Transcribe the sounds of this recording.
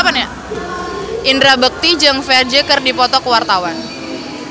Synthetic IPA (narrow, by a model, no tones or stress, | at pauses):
pana | ʔindɾabək̚t̪id͡ʒəŋfɛrd͡ʒekərdipɔt̪ɔkəwart̪awan